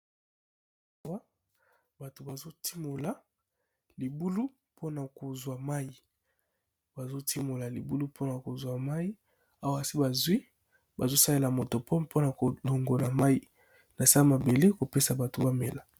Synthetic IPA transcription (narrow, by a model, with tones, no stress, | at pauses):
a˦wa˦ | ba˨to˨ba˨zo˦tʰi˦mo˨la˨ | li˨bu˦lu˦ | pʰo˦na˨ko˨zwa˨ma˦ji˨ | ba˨zo˦tʰi˦mo˨la˨li˨bu˦lu˦pʰo˦na˨ko˨zwa˨ma˦ji˦ | a˦wa˦a˨si˦ba˨zwi˦ | ba˨zo˦sa˦le˦la˨mo˨to˨pʰo˦po˦na˨ko˨lo˨ŋɡo˨la˨ma˦ji˦ | na˨sa˦ma˨be˨le˦ko˨pe˦sa˨ba˨to˨ba˦me˨la˨